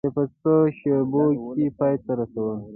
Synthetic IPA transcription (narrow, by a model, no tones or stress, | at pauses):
epət͡səʃebokipɑjt̪aɾasawə